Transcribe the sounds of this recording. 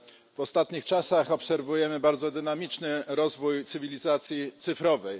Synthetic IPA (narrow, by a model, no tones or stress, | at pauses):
v̥ɔst̪at̪ɲixt͡ʂasaxɔpsɛɾvujɛmɘbaɾd̪zɔd̪ɘnamʲit͡ʂnɘɾɔzvujt̪sɘvʲilʲizat̪sʲjit̪sɘfɾɔvɛj